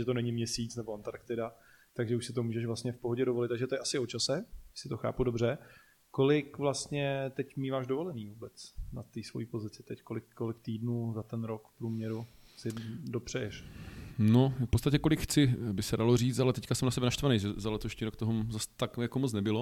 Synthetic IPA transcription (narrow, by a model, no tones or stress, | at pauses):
ʒɛt̪onɛɲɪmɲɛsiːt͡snɛboant̪aɾkt̪ɪda | t̪aɡʒɛuʃsɪt̪̬o̞muːʒɛʃvlast̪ɲɛfpoɦoɟɛdovo̞lɪt̪ːaɡʒɛt̪ojɛʔasɪo̞t͡ʃasɛsɪt̪o̞xa̰ːpudobr̝ɛ | ko̞lɪkvlast̪ɲɛt̪ɛcmiːvaːʒdovo̞lɛniːvuːbɛt͡snat̪iːsvo̞jiːpo̞zɪt͡sɪt̪ɛckolɪkːolɪk̚t̪iːdnuːzat̪ɛnɾokfpɾuːmɲɛɾu | sɪdo̞pr̝̥ɛjɛʃnofpot͡st̪acɛkolɪkxt͡sɪbɪsɛdaloriːt͡st̪alɛt̪ɛckasɛmnasɛbɛnaʃt̪vanɛjʒɛzalɛt̪oʃɲiːɾokt̪oɦozast̪akjakomot͡snɛbɪlo̞